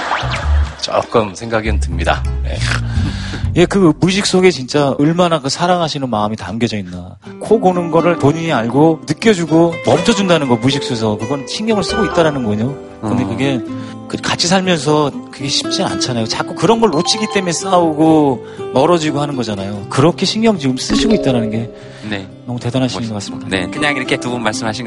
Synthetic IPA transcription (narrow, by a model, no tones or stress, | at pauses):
t͡ɕʌ̰k͈ɯmsʰe̞ŋɡaɡintɯmɲida̰ne̞̰ | je̞kɯmuɕʰik̚s͈oɡe̞t͡ɕint͡ɕ͈aɯɭmanakɯsʰaɾaŋɦaɕʰinɯnmaɯmitamɡjʌd͡ʑʌinːa | kʰokonɯnɡʌɾɯɭpoɲiɲiaɭɡonɯk͈jʌd͡ʑuɡomʌmt͡ɕʰʌd͡ʑundanɯnɡʌmuɕ̬ʰik̚s͈oes̬ʰʌkɯɡʌnɕʰiŋɡʌŋɯɭs͈ɯɡoit̚t͈aɾanɯnɡʌɲo | kɯnde̞kɯɡe | kɯkat͡ɕʰis̬ʰaɭmjʌns̬ʰʌkɯɡe̞ɕʰi̥p̚t͡ɕ͈ia̰nt͡ɕʰanajot͡ɕak͈ukɯɾʌnɡʌɭːot͡ɕʰiɡit͈e̞mes͈auɡo | mʌɾʌd͡ʑiɡohanɯnɡʌd͡ʑanajokɯɾʌkʰe̞ɕʰiŋjʌŋd͡ʑiɡɯms͈ɯɕʰiɡoit͈̚aɾanɯnɡe̞ | ne | nʌmute̞danɦaɕʰnɯnɡʌk͈as͈ɯmɲidad̰kɯɲaŋiɾʌkʰetubunmaɭs͈ɯmɦaɕʰin